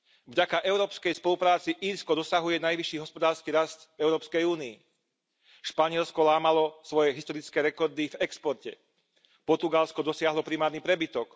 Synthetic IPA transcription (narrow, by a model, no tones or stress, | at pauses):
vɟakaʔɛʊɾɔːpskɛjspɔlupɾaːt͡siʔiːɾskɔd̪ɔsaɦujɛnajʋiʃːiːɦɔspɔd̪aːɾskiːɾast̪vɛʊɾɔːpskɛjuːniː | ʃpaɲɪɛlskɔlaːmalɔsʋɔjɛɦist̪ɔɾit͡skɛːɾɛkɔɾd̪ivɛkspɔɾcɛ | pɔɾt̪uɡalskɔd̪ɔsɪaɦlɔpɾimaːɾnipɾɛbit̪ɔk